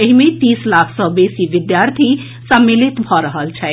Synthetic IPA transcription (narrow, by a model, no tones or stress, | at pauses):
eɦimet̪islakʰsəbesiʋid̪jaɾt̪ʰi | səmːilit̪bʱɔɾəɦəlt͡ʃʰɛ